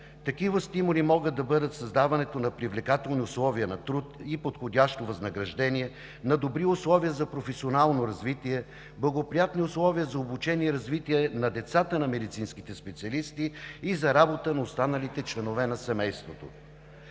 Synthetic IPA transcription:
t̪ɐkivəst̪imʊlimɔɡətd̪ːɐbɤd̪ət̪sɐzd̪avɐnɛt̪onɐpɾivlɛkat̪ɛlˠniʊslˠɔviənɐt̪ɾut̪ipot̪xodʲaʃt̪ovɐznɐɡɾɐʒd̪ɛnʲiɛ | nɐd̪obɾiʊslˠɔvijəzɐpɾofɛsionalˠnoɾɐzvit̪iɛ | blˠɐɡopɾijat̪niʊslˠɔviəzɐobut͡ʃɛniɛɾɐzvit̪iɛnɐd̪ɛt̪sat̪ənɐmɛd̪it̪sinski̥t̪ɛspɛt̪siɐlist̪iːzɐɾabot̪ənɐʊst̪anəlit̪ɛt͡ʃlɛnovɛnɐsɛmɛjst̪vot̪o

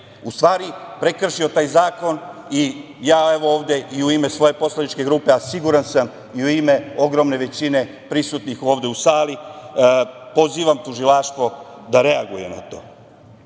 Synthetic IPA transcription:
ust̪ʋaːɾipɾe̞kr̩ʃio̞t̪aːjzaːko̞ni | jaːe̞ʋo̞oːʋd̪e̞ʔiuime̞sʋo̞je̞po̞slˠanit͡ʃke̞ɡɾuːpe̞asiɡuɾansam | iuime̞o̞ɡɾo̞mne̞ʋe̞t͡ɕine̞ | pɾisut̪nixo̞ːʋd̪e̞usaːli | po̞ziːʋamt̪uʒilaʃt̪ʋo̞d̪aɾe̞aɡuje̞̰na̰t̪o̞̰ː

